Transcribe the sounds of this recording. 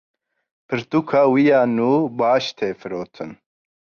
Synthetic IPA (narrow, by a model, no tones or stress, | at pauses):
pʰɨɾt̪uːkʰaːwijaːnuːbɑːʃt̪ʰeːfɨɾoːt̪ʰɨn